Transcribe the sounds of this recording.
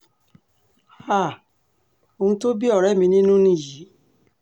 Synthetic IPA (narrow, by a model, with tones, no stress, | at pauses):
a˦˨ | o˧ũ˧to˦bi˦ɔ˦˨ɾɛ˨˦mĩ˧nĩ˦nũ˦nĩ˧˦˨ji˨˦